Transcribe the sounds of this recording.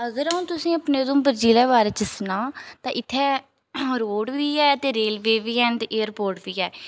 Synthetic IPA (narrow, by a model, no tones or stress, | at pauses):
əɡəɾəũːt̪ʊsĩːəpneːd̪õːmbəɾd͡ʒiːlɛːbaːɾeːt͡ʃəsnaːt̪ãːʔɪt̪ʰːɛː | ɾoːɖʋiːɛːət̪eːɾeːlʋeːʋiːɛːnt̪eʔeːəɾpoːɾʈʋiːɛː